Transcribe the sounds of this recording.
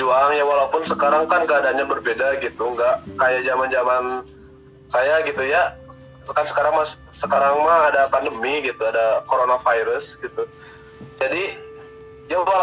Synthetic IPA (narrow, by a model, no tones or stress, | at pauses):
uaŋjawalaupʊnsəkaɾaŋkaŋkəadaɲabərbedaɡit̪uŋɡaʔkajaʔd͡ʒamand͡ʒaman | sajaɡit̪uja | kansə̥kaɾaŋmas | səkaɾaŋmaːdapandəmiɡit̪uadakoɾonafajɾəsɡit̪u | d͡ʒadi | jaa